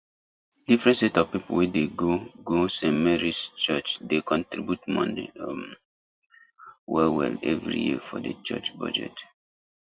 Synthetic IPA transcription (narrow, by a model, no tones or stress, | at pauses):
d̥ifɹɛ̃ntsetɔv̥pipowɛdeɡoɡosɛ̃mɛɹist͡ʃət͡ʃdekʰɔ̃ntɹḭbjutmɔ̰̃ndḛm | wɛlwɛ̰lɛvɹḭjḭəfɔ̰də̰t͡ʃɛ̰t͡ʃba̰d͡ʒɛ̰t